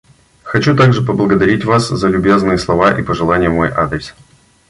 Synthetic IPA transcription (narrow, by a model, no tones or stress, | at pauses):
xɐt͡ɕut̪aɡʐɨpəblˠəɡəd̪ɐɾʲitʲvaszəlʲʉbʲe̞znɨjəslˠɐvaʔipəʐɨlˠanʲɪjəmo̞jʔa̰d̪ɾʲɪs